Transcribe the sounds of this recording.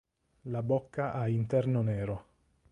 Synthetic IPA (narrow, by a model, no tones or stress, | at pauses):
labokːaʔaint̪ɛrnonɛːɾo